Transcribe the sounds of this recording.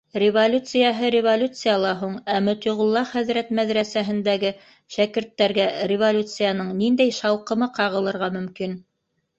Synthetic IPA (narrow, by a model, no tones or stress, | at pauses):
rʲɪvolʲut̪sɨjɑɦɤɾʲɪvolʲut̪sɨjɑlˠɑɦuɴæmɵ̆t̪uʁʊ̆lˠːɑχæðɾæt̪mæðɾæsæɦɘ̆nd̪æɡɘ | ʃækɘ̆ɾt̪ːæɾɡærʲɪvolʲut̪sɨjɑnɤɴnind̪æjʃɑwqɤ̆mɤqɑʁɤ̆lˠɤ̆ɾʁɑmɵ̆mkin